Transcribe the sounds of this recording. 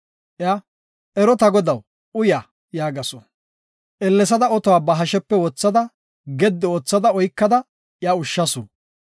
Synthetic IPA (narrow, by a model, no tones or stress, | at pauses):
ʔja | ʔɛɾɔt̪ɐɡɔd̪ɐw | ʊjaː | jaːɡɐsɔ | ʔɛlːɛs̬ɐd̪ɐɔt̪ɔwaːbɐɦɐʃɛpːɛwɔt͡sːɐd̪ɐ | ɡɛd̪ːɛoːt͡sːɐd̪ɐɔjkːɐd̪ɐ | jaʊʃːɐsṵ